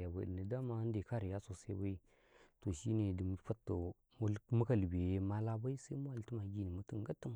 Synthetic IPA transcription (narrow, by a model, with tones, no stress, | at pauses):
ja˨ba̰˨də˨nə˨da˦ma˦n˦de˨ka˦ɾi˨ja˦so˨sa˦ba˦i˦ | to˨ʃi˦ne˨di˨m˦fa˦tːə˨ | m˦mu˦ka˦˨lbe˨je˦ma˦la˦ba˦i˦sa˦i˦mu˦wa˦˨ltə˦ma˨ɡi˦˨ni˨mu˦tə˦ŋ˦ɡa˦tːə˦m˨